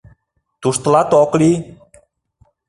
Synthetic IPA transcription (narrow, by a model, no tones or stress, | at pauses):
t̪ust̪lat̪ɔkli